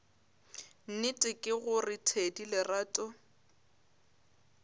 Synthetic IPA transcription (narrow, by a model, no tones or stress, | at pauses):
n̩nɪtʼɪkʼɪɣʊrɪtʰedilɪraːtʼɔ